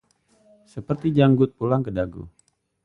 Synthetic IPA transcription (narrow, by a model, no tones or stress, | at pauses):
səpərt̪id͡ʒaŋɡʊt̪̚pulaŋkədaɡṵ